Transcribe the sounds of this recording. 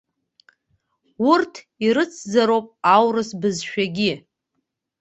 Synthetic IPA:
ʊrtʰ | iɾɨt͡sʰzaɾowpʼawrɨsbɨzʃᶣaɡʲɪ

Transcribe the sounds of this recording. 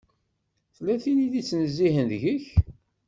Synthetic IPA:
θlːæθiniðit͡sːnəzːiɦənðʝəç

